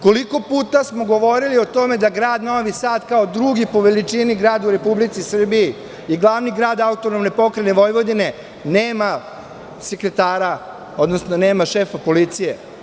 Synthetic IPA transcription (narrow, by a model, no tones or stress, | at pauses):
ko̞liko̞puːt̪asmo̞ɡo̞ʋo̞ɾilio̞t̪o̞me̞d̪aɡɾaːd̪no̞ʋisaːd̪kaod̪ɾuɡipo̞ʋelit͡ʂiniɡɾaːd̪uɾe̞publit̪sisr̩biji | iɡlˠaʋniɡɾaːd̪aut̪onomnepo̞kɾeneʋo̞jʋo̞d̪ine̞ | neːma | sekɾe̞t̪aːɾa | o̞d̪nosnone̞ːmaʃeːfapo̞lit̪sije̞